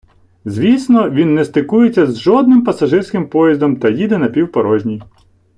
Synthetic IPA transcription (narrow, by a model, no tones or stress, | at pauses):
zʲʋʲisnɔʋʲinːɛst̪ɪkujet͡sʲːɐzʒɔd̪̚nɪmpɐsɐʒɪrsʲkɪmpɔjizd̪ɔmt̪ɐjid̪ɛnɐpʲiwpɐɾɔʒʲnʲij